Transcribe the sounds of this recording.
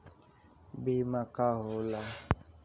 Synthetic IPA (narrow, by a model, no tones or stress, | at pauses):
ɡ͡bemãkaɦola